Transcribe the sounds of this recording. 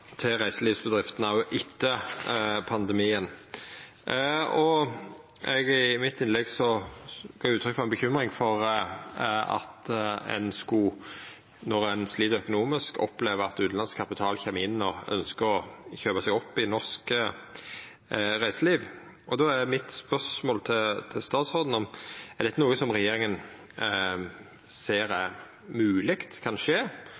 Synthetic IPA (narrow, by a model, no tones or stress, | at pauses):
t̪ʰɪʁæɪsəliːʋsbəd̪ʁɪft̪ənɑʊʔɪt̪ʰːə | pʰɑnd̪ɛmiːən | ɔ | ɛɡɪmɪt̪ːɪnlɛɡsɔɡ̥oːjʊʉːt̪ɾʏkfɔɛnbəçʏmʁɪŋfɔʁ | ɑ̰t̪ɛ̰nskuː | nɔʁɛnsliːd̪œkʊnuːmɪskɔ̰pleːʋəʁɑt̪ʉːd̪nɑnskʰɑpɪt̪ʰɑːlçɛːmːəɪnːɔœ̰nskəɾɔçøːbɑsɛɡɔpːɪnɔʁsk | ʁæɪsəliːʋ | ʔɔd̪ɔæmɪt̪spœʂmoːlt̪ʰɪt̪ʰɪlst̪ɑːt̪sɔʁd̪n̩ɔmɛʁd̪ɛt̪ːənuːəsɔmʁɛjeːɾɪŋən | seːɾɛ | mʉːlɪkt̪kʰɑnʂeː